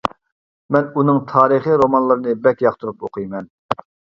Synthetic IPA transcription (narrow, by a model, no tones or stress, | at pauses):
mɛnunɨŋt̪ʰɑːɾɨχiɾomɑnlˠɨɾɨnɨbɛkʲjɑqt̪ʰuɾupoqʰɨjmɛn